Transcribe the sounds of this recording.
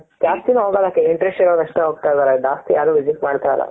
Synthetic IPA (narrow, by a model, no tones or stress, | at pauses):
kaːst̪inuɦoɡalakːeiɳʈɾesʈiɾoːd̪ɐʂʈeɦoːɡ̚t̪ajt̪aːɾeɖaːst̪ijaːɾuːʋiziʈ̚maːɽt̪aːjla̰